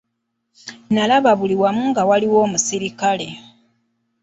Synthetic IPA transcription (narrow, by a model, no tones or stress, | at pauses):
nalaβaβuliwamuŋɡawaliwo̞ːmusiɾikale̞